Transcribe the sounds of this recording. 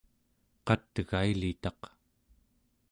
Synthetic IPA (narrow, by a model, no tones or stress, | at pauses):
qɑt̪ɣailit̪ɑq